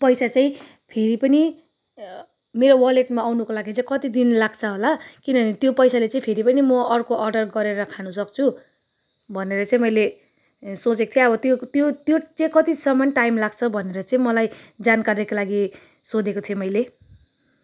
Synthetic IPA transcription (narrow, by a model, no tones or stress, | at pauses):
pʌjsat͡sʌĩ | pʰeɾipʌni | meɾowʌleʈmawnukolaɡit͡saĩkʌt̪id̪inlaɡt͡sʰʌɦolakinʌʌnit̪jopʌjsalet͡sʌ̃ĩpʰeɾipʌnimʌʌrkoʔʌrɖʌrɡʌɾeɾʌkʰanusʌkt͡sʰu | bʱʌneɾʌt͡sʌĩmʌjle | sot͡sekot̪ʰjeʌbʌt̪jot̪jot̪jot̪ʌ̃kʌt̪isʌmʌnʈajmlaɡ̚t͡sʰʌbʱʌneɾʌt͡sʌ̃ĩmʌlajd͡zankarjekolaɡi | sod̪ekot̪ʰijomʌjle